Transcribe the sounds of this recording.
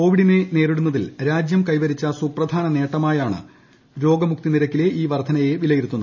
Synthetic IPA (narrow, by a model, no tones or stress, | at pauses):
ko̞ːʋiɽinene̞ːriɽunːɐðilɾaːd͡ʑjɐmkɐjʋɐɾit͡ɕːɐsuprɐd̪ʱaːnɐne̞ːʈːɐmaːjaːɳɨ̰ | ɾo̞ːɡɐmuk̚t̪iniɾɐkʲːile̞ʔiːʋɐrd̪ʰʱɐnɐje̞ʋilɐjiɾut̪ːunːɐ